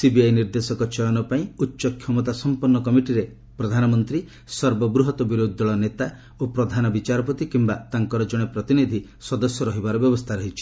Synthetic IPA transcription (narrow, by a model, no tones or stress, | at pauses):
sibiajniɾd̪esɔkɔt͡ʃʰɔjɔnɔpaĩutːʃɔkʰjɔmɔt̪̬asɔmpuɾnɔkɔmiʈiɾe | pɾɔd̪ʱanɔmɔnt̪ɾi | sɔɾbɔbɾuɦɔt̪ɔbiɾod̪ʱːɔɭɔnet̪a | opɾɔd̪ʱanɔbit͡ʃaɾɔpɔt̪ikimbat̪aŋkɔɾɔd͡ʒɔɽ̃epɾɔt̪inid̪ʱi | sɔd̪ɔsjɔɾɔɦibaɾɔbjɔbɔst̪ʰaɾɔɦit͡ʃʰi̥